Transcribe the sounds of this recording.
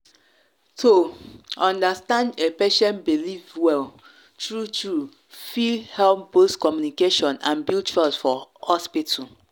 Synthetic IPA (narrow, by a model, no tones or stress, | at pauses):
tʰoɔ̃ndastãndepeʃɛ̃nbilifwɛl | tɹutɹu | fihɛlpboskɔmjunikeʃɔ̃nãnbilt͡ʃalsfɔhɔspitu